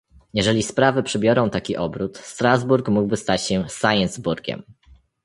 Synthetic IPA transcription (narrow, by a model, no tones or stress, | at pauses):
jɛʐɛlʲispɾavɘpʂɘbʲjɔɾɔ̃w̃t̪akʲiʔɔbɾut̪st̪ɾazbuɾkmuɡbɘst̪at͡ɕɕɛsajɛnzbuɾɡʲɛ̰m